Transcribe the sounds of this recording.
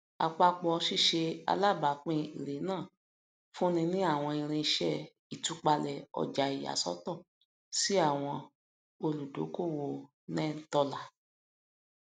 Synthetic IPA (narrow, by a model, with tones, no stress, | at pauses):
a̰˨k͡pa˧k͡pɔ˧ʃi˦˨ʃe˧a̰˧la˦˨ba˨˦k͡pĩ˦˧i˨ɾe˨˦nãː˦˨ | fũ˦nĩ˧nĩ˦a˦˨w̃ɔ̃˧i˧ɾ̃ĩ˧i˧ʃɛ˦˨ | i˨tu˨˦k͡pa˧lɛ˨ɔ̰˧˨d͡ʒa˨i˨a̰˨sɔ̰˦tɔ˦˨ | si˦a˦˨w̃ɔ̃˧ | o˧lu˨do̰˨˦ko˦˨wo˨ | nɛ̃˦˨n̩˨tɔ˧la˨